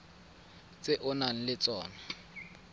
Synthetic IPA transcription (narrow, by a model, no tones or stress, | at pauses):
t͡sʼɪʔʊnan̩lɪt͡sʼɔːna